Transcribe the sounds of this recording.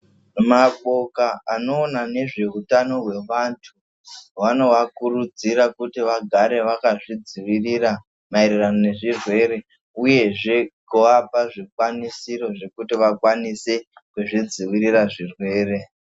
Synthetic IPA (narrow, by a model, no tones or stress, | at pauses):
maɓo̞kaano̞ːnane̞ʐe̞utano̞ɦwe̞ʋantʰu | wano̞ʋakurud͡ziɾakutiʋaɡʱaɾe̞ʋakaʐid͡ziʋirira | mairiranone̞ʐirwe̞ɾe̞ | uje̞ʐe̞koʋapaʐikwanisiɾo̞ʐe̞kutiʋakwanise̞kuʐid͡ziʋiriraʐirwe̞ːɾe̞